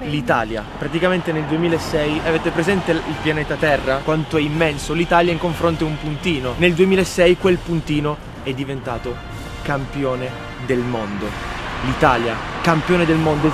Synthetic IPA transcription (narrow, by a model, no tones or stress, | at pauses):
lit̪aːlja̰pɾat̪ikament̪eneld̪uemiːlaesːɛjaveːt̪epɾezɛnt̪eilpjaneːt̪at̪ɛrːakwant̪oɛimːɛnsolit̪aːljaiŋkoɱfɾont̪eumpunt̪iːnoneld̪uemiːlaɛsːɛjkwelpunt̪iːno | ɛd̪ːivent̪aːt̪o | kampjoːne | d̪elmond̪olit̪aːljakampjoːned̪elmond̪o